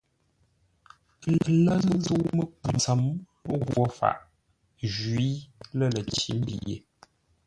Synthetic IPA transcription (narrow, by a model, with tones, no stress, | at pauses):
lə˨lə˦zə˦ʔmə˦pu˨nt͡sə˨˦m˦ | ɣwɔ˦fa̰˨ʔ | ʒwi˦lə˦˨lə˨t͡ʃi˨˦m̩˦bḭ˨jḛ˨